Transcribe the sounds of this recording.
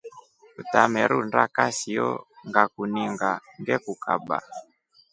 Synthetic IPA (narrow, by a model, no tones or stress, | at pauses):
utamɛɾundakasiɔŋɡakuniŋɡaŋɡɛkuka̰ɓa̰